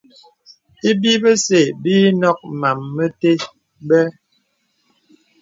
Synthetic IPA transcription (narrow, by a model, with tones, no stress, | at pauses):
e˦bi˦bə˦se˨biː˦nɔ˦k̚ma˨mːə˦te˦ | bɛ˦